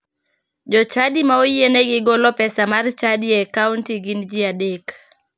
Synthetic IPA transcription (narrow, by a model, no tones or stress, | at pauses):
d͡ʒɔt͡ʃadimaojeneɡɪɡɔlɔpɛsamart͡ʃadiɛkauntiɡind͡ʒiadek